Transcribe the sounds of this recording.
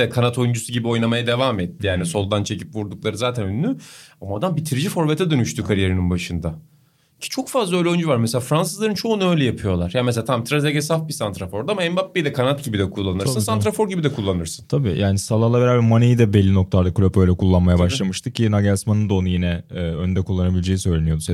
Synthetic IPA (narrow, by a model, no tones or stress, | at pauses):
ɛkʰanat̪ʰo̞jund͡ʒusuɟibio̞jnamajad̪e̞vaːmɛt̪ʰːijaːniso̞lˠd̪ant͡ʃʰe̞cipvuɾd̪uk̚lˠaɾɯzaːt̪ʰænønːyamaad̪ambit̪ʰiɾid͡ʒifo̞ɾbet̪ʰɛd̪ø̞nyʃt̪ykʰaɾijeɾininbaʃɯnd̪a | cʰi̥t͡ʃʰo̞kfazlˠaølʲɛønd͡ʒyvaɾmeselʲaːfɾans̬ɯzlˠaɾɯnt͡ʃʰo̞ːnø̞jlʲɛjapʰɯjo̞lˠaɾ̥jams̬elaːt̪ʰamt̪ʰɾazeɟesafbisant̪ɾafo̞ɾd̪amaɛmbap̚bejd̪ɛkʰanat̪ɟibid̪ɛkʰulˠːanɯɾsɯnsanɾafo̞ɾɟibid̪ɛkʰulˠːanɯɾsɯ̥nt̪ʰabḭːjaːnisalˠalˠaveɾaːbɛɾmanejid̪ɛbelʲːinok̚t̪ʰaɾd̪aklʲøpø̞jlʲɛkʰulˠːanmajabaʃlˠamɯʃt̪ʰɯcʰinaɡasmanɯnd̪aonujinɛønd̪ɛkʰulˠːanabilʲed͡ʒejisø̞jlʲenijo̞d̪us